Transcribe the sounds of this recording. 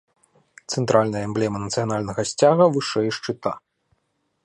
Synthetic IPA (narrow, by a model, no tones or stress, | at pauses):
t̪sɛnt̪ɾʔalʲnɐjɐɛmblʲɛmɐnɐt̪sɨjɐnalʲnɐɣɐsʲt͡sʲaɣɐvɨʂɛjʂt͡ʂɨt̪a̰